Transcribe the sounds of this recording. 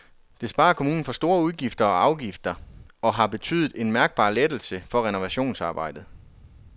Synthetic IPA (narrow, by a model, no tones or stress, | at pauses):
d̥e̝sb̥ɑ̈ːɐkʰo̝muːn̩fɒ̽sd̥o̝ːɐuð̞ˠɡ̥ifd̥ɐɒ̽ɑ̈ʊɡ̥ifd̥ɐɒ̽ɦɑ̈b̥e̝t͡sʰy̰ːðˠð̩ˠe̝nmæɐɡ̥̚b̥ɑ̰̈ːled̥l̩səfɒ̽ʁɛno̝ʋæɕo̝̰ːnsɑ̈ːb̥ɑ̈ɪ̰d̥ð̩ˠ